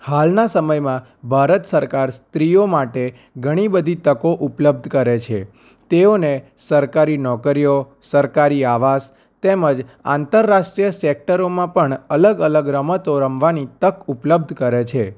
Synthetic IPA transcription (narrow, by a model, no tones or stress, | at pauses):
halnasəməjmã | bʱaɾət̪səɾkaɾst̪ɾiomaʈe | ɡʱəɽ̃ibəd̪ʱit̪əkoʔupləb̚d̪ʱkəɾet͡ʃʰḛ | t̪eonesəɾkaɾinɔkəɾijo | səɾkaɾiaʋas | t̪eməd͡ʒã̰nt̪əɾːaʃʈɾijəsek̚ʈəɾomãpəɳələɡələɡɾəmət̪oɾəmʋanit̪əkupləb̚d̪ʱkəɾet͡ʃʰe